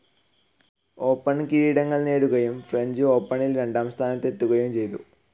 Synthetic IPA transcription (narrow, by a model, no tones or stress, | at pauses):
o̞ːpːɐɳkiiːɽɐŋːɐɭneːɽuɣɐjumfreɲd͡ʑɨo̞ːpːɐɳilɾe̞ɳɖaːmst̪ʰaːnɐt̪ːe̞t̪ːuɣɐjumt͡ɕe̞jt̪ṵ